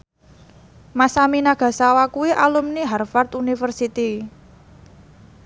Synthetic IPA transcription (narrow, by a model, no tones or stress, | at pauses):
masaminaɡ̥ä̤sawakuwiʔalumniɦarfart̪unifərsit̪i